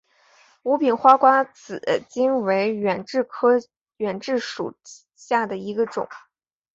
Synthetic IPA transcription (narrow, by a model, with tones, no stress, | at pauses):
u˧˥pi˨˩nxwa˥kwa˥t͡sʰɹ̩˨˩˦t͡ɕi˥nwe˧˥ɪɛ˨˩nʈ͡ʂɻ̩˥˩kʰɤ˥ | ɥɛ˨˩nʈ͡ʂɻ̩˥˩ʂṵ˨˩ | ɕja˥˩d̪ə˩i˧˥ɡə˧ʈ͡ʂʊ̰˨˩˦ŋ